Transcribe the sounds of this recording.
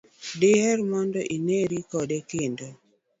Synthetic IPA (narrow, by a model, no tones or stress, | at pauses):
dɪhɛɾmɔndɔʔineɾikɔdɛkɪndo